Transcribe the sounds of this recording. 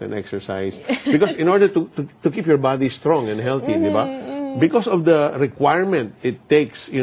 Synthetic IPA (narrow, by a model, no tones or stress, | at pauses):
ɛ̰nʔɛ̰ksɛɹsa̰jsbɪkɔsɪ̃nɔɹd̪əɹt̪ʊt̪ut̪ʊkipjɔɹbad̪ist̪ɹɔ̃ŋɛ̃nd̪hɛlt̪id̪ɪbabɪkɔsɔfd̪ɐɹɛkwajɹmɛ̃nt̪̚ɪt̪ːeksjʊ